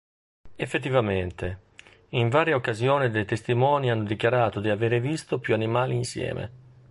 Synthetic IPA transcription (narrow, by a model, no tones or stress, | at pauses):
efːet̪ːivament̪e | iɱvaːɾjeokːazjoːnid̪ejt̪est̪imɔːnianːʊd̪ikjaɾaːt̪od̪iaveːɾevist̪opjuanimaːlinsjɛ̰ːmḛ